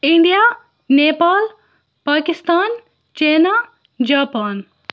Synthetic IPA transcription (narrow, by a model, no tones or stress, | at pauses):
iɳɖija | nepaːl | pakist̪aːn | t͡ʃena | d͡ʒaːpaːn